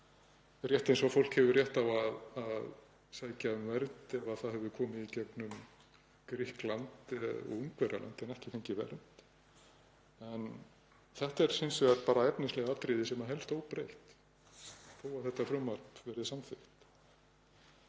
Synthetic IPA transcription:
rjɛht̪ejnsvɔfowl̥khɛvʏrjɛht̪avaðað | saːjcamvɛɾt̪ɛvaðθaðɦɛvðʏkʰɔːmɪicɛknʏm | kɾɪhklant̪uŋkvɛɾa̰la̰nt̪ɛnɛhcɪ̥fɪɲcɪvɛ̰ɾt̪ | ɛn | θɛht̪ɛɾ̥sɪnsʏaɾpaːɾaɛpnɪslɛɣaat̪ɾɪðɪsɛmaɦɛlst̪oːwpɾejht̪ | θoːwaθɛht̪ːafɾʏmaɾpvɛɾðɪsamfɪxt̪

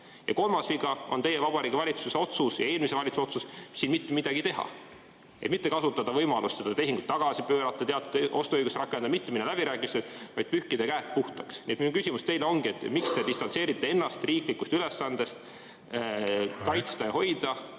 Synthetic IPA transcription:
jɑko̞lmɑsviɡɑo̞nt̪e̞jevɑb̥ɑɾiːɡivɑlʲit̪suse̞o̞t̪susjɑ̰e̞ːlmise̞vɑlʲit̪su̥o̞t̪sussiːnmit̪ːemid̪̥ɑɡit̪e̞ɦɑ̰ | et̪mit̪ːe̞kɑsut̪ːˑɑd̪̥ɑvɤjmɑlʔust̪se̞d̪̥ɑt̪e̞ɦiŋɡ̥ut̪ːɑɡ̥ɑsipøːɾɑt̪ːˑɑt̪e̞ɑt̪ːˑud̪̥ʔo̞st̪oøjɡust̪rʔɑkːˑend̪ɑmit̪ːeminelæb̥iɾæːkːˑimiset̪vɑjd̪̥̚pyhkid̪e̞kæːt̪̚puht̪ɑksniet̪minukysʲimust̪e̞jleo̞ŋɡ̥ie̞t̪ːˑmikst̪e̞d̪ist̪ɑnt̪se̞ːɾit̪ːe̞e̞nːɑst̪riːklikːˑust̪ylesːɑnd̪̥e̞st̪ | kɑjt̪st̪ɑjɑho̞jd̪̥ɑ

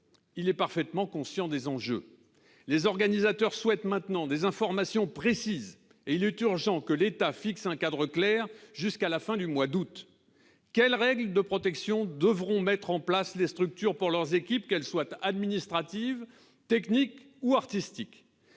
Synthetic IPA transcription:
ilɛpaʁfɛt̪mɑ̃kɔ̃sjɑ̃d̪ezɑ̃ʒø̰ | lezɔʁɡanizat̪œʁswɛt̪mɛ̃t̪nɑ̃d̪ezɛ̃fɔʁmasjɔ̃pχesiz | eilɛt̪yʁʒɑ̃kəlet̪afiksɛ̃kad̪ʁəklɛʁʒyskalafɛ̃d̪ymwad̪ut̪ | kʲɛlʁɛɡld̪əpχɔt̪ɛksjɔ̃d̪əvʁɔ̃mɛt̪χɑ̃plaslest̪χyk̚t̪yʁpuʁlœʁzekʲip̚kɛlswat̪ad̪minist̪χat̪iv | t̪ɛknik | uaʁt̪ist̪ik

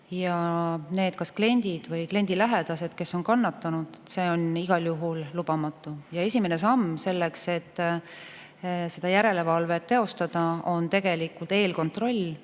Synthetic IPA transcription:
jɑne̞ːd̪̥̚kɑskle̞nʲd̪̥id̪̥vɯjkle̞nʲd̪̥ilæɦe̞d̪ɑse̞d̪̥ke̞sːo̞nkɑnːɑt̪ːɑnud̪̥et̪se̞ːo̞niɡ̥ɑljuɦullub̥ɑmɑt̪ˑːujɑe̞sʲimenesɑmːse̞lːekse̞t̪ː | se̞d̪̥ɑjæɾe̞le̞vɑlve̞tt̪ːe̞o̞st̪ɑd̪̥ɑo̞nt̪e̞ɡ̥e̞likult̪e̞ːlko̞nt̪ro̞lʲː

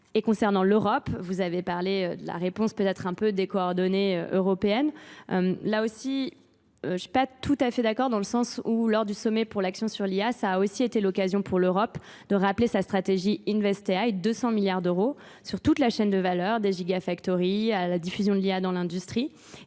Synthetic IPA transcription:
ekɔ̃sɛʁnɑ̃løʁɔpvuzavepaʁleød̪əla̰ʁepɔ̃spøt̪ɛt̪χɛ̃pød̪ekɔɔʁd̪ɔneøʔøʁɔpeɛnø̰mlaosi | øʃɥi̥pat̪ʰut̪afɛd̪akɔʁd̪ɑ̃ləsɑ̃sulɔʁd̪ysɔmɛpuʁlaksjɔ̃syʁliasaːosiet̪elɔkazjɔ̃pʰuʁløʁɔp | d̪̥əʁaplesast̪χat̪eʒiinvɛst̪eajd̪øsɑ̃miljaʁd̪øʁo | syʁt̪ut̪laʃɛnd̪əvalœʁd̪eʒiɡafakt̪ɔʁialad̪ifyzjɔ̃d̪əliad̪ɑ̃lɛ̃d̪yst̪χi

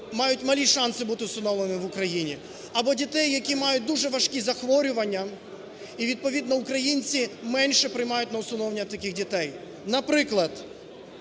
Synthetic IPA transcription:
mɑjʊtʲmɐlʲiʃɑnsɪbut̪ɪʊsʊnɔlˠenɪʋʊkɾɐjinʲi | ɐbɔdʲit̪ɛjːɐkʲimɑjʊt̚ʲd̪uʒɛʋɐʃkʲizɐxʋɔɾʲʊʋɐnʲːɐ | iʋʲid̪̚pɔʋʲid̪nɔʊkɾɐjinʲt͡sʲimɛnʲʃɛpɾɪjmɑjʊtʲnɐʊsʊnɔwnʲɐt̪ɐkʲixdʲit̪ɛj | nɐpɾɪklˠɐd̪̥

